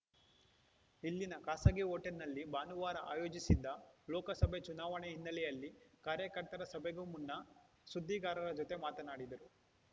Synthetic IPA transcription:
ilːinɐkaːsɐɡioːʈɐɾnɐlːibaːnuʋaːɾɐʔa̰ːjoːd͡ʒisid̪ːɐlɔːkɐsɐbʱet͡ʃunaːʋɐɳeɦinːɐlɛjɐlːikaːɾjɐkɐɾt̪ɐɾɐsɐbʱeɡumunːɐ | sud̪ʱːiːɡaːɾɐɾɐd͡ʒot̪e̞maːt̪ɐnaːɽid̪ɐɾu

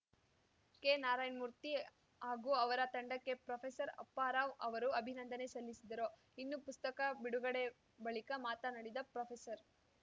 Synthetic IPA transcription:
kenaːɾaːjnmuɾt̪i | aːɡuɐʋɐɾɐt̪ɐɳɖɐkːe̞pɾopʰesɐɾɐ̰pːaːɾaːʋɐʋɐɾuɐbʱinɐnd̪ɐne̞sɐlːisid̪ɐɾo | inːupust̪ɐkɐbiɽuɡɐɽe̞ | bɐɭikɐmaːt̪ɐnɐɽid̪ɐpɾɐpʰesɐɾ

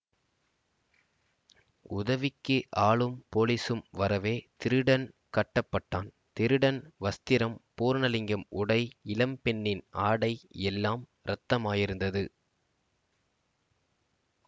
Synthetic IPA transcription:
ʊðɐʋɪkːɯʔaːɭɯmpoːlisɯmʋɐɾɐʋeːt̪ɪɾɯɽɐnkɐʈːɐpːɐʈːaːn | t̪ɪɾɯɽɐnʋɐst̪ɪɾɐmpoːɾnɐlɪŋɡɐmʊɽɐɪɪlɐmpɛnːɪnaːɽɐɪɛlːaːm | ɾɐt̪ːɐmaːjɪɾɯnd̪ɐðɯ

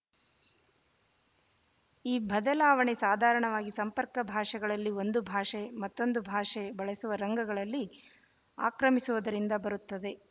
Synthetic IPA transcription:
iːbʱɐd̪ɐlaːʋɐɳesaːd̪ʱaːɾɐɳɐʋaːɡisɐmpɐɾkɐbʱaːʂɐɡɐɭɐlːio̞nd̪ubʱaːʂemɐt̪ːo̞nd̪ubʱaːʂebɐɭesuʋɐɾɐŋɡɐɡɐɭɐlːi | a̰ːkɾɐmisuʋɐd̪ɐɾind̪ɐbɐɾut̪ːɐd̪e̞

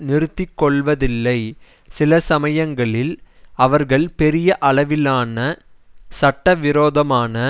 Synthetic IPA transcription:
nɪɾɯt̪ːɪkːɔɭʋɐðɪlːɐɪ | sɪlɐsɐmɐjɐŋɡɐɭɪl | ɐʋɐɾɣɐɭpɛɾɪjɐʔɐɭɐʋɪlaːnɐ | sɐʈːɐʋɪɾoːðɐmaːnɐ

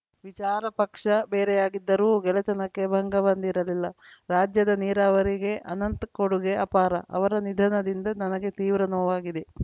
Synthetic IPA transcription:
ʋit͡ʃaːɾɐpɐkʂɐbeːɾɛjaːɡid̪ːɐɾuːɡɛlɐt͡ʃɐnɐkːe̞bʱɐŋɡɐʋɐnd̪iɾɐlilːɐɾaːd͡ʒjɐd̪ɐniːɾaːʋɐɾiɡe̞ʔɐnɐnt̪koɽuɡeɐpaːɾɐʔɐ̰ʋɐɾɐnid̪ʱɐnɐd̪ind̪ɐnɐnɐɡe̞t̪iːʋɾɐnoːʋaːɡid̪e̞

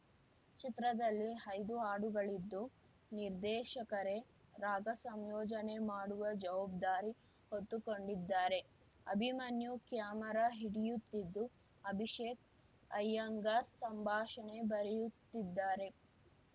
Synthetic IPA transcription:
t͡ʃit̪ɾɐd̪ɐlːiɐjd̪uaːɽuɡɐɭid̪ːu | niɾd̪ɛːʃɐkɐɾe̞ | ɾaːɡɐsɐmjɔːd͡ʒɐne̞maːɽuʋɐd͡ʒɐʋaːb̚d̪aːɾi | hot̪ːuko̞ɳɖid̪ːaːɾe̞ | ɐ̰bʱimanjukjaːmɐɾaɦiɽijut̪ːid̪ːu | ɐbʱiʃeːk | ɐjːɐŋɡaːɾsɐmbʱaːʃɐne̞bɐɾɛjut̪ːid̪ːaːɾe̞

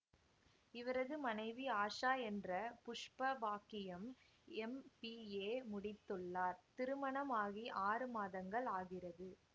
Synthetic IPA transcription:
ɪʋɐɾɐðɯmɐnɐɪʋiaːʂaːɛndrɐpʊʂpɐbaːkɪjɐm | ɛmpieːmʊɽɪt̪ːɯɭːaːɾt̪ɪɾɯmɐɳɐmaːɣiʔaːrɯmaːðɐŋɡɐɭaːɣɪrɐðɯ

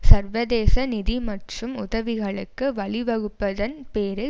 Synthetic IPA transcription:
sɐɾʋɐðeːsɐnɪðimɐʈrɯmʊðɐʋɪɣɐɭɯ̰kːɯʋɐɭɪʋɐɣɯpːɐðɐnpeːɾɯ

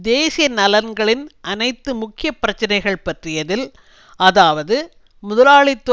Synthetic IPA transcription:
d̪eːsɪjɐnɐlɐnɡɐɭɪnʔɐnɐɪt̪ːɯmʊkːɪjɐpːɪɾɐt͡ʃːɐnɐɪɣɐɭpɐʈrɪjɐðɪl | ɐðaːʋɐðɯ | mʊðɐlaːɭɪt̪ːɔ

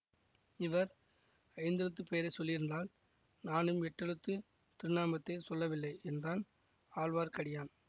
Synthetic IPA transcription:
ɪʋɐɾ | ɐɪnd̪ɛɻɯt̪ːɯpeːɾɐɪsɔlːɪɾɪndraːl | naːnɯmɛʈrɛɽɯt̪ːɯ | t̪ɪɾɯnaːmɐt̪ːɐɪsɔlːɐʋɪlːɐɪʔɛndraːn | aːlʋaːɾkɐɽɪjaːn

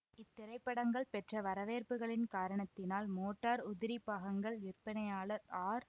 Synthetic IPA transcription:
ɪt̪ːɪɾɐɪpːɐɽɐŋɡɐɭpɛʈrɐʋɐɾɐʋeːɾpɯɣɐɭɪnkaːɾɐɳɐt̪ːɪnaːlmoːʈːaːɾʊðɪɾipaːɣɐŋɡɐɭɪrpɐnɐjaːɭɐɾaːɾ

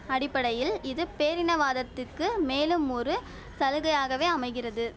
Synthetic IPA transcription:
ɐɽɪpːɐɽɐjɪlɪðɯpeːɾɪnɐʋaːðɐt̪ːɯkːɯmeːlɯmɔɾɯ | sɐlɯɣɐjaːɣɐʋeːɐmɐɪɣɪrɐðɯ

